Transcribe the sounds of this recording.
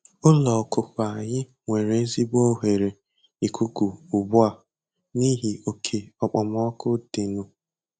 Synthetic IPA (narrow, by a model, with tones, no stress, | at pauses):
ʊ˦lɔ˨kʊ˨k͡pa˨ɲɪ˦ | ŋʷe˨ɾe˨e˦zi˦bɔ˦ɦe˨ɾe˨ | i˨kʰʷu˦ku˨ʊ˨bʊ˦a˨ | ni˦ɦi˨o˨kʰe˨ɔ˨k͡pɔ˨mɔ˦kʊ˦de˨nu˦